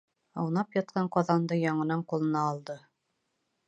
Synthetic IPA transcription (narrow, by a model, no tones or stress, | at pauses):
ɑ̰wnɑpjɑt̪̚qɑɴqɑðɑnd̪ɤjɑɴɤ̆nɑɴqulˠɤ̆nɑːlˠd̪ɤ